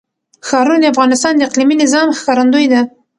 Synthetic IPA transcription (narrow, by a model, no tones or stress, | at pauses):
xɑɾunod̪afɣɑnɪst̪ɑnd̪əɪqliminɪzɑmxkɑɾand̪ojd̪a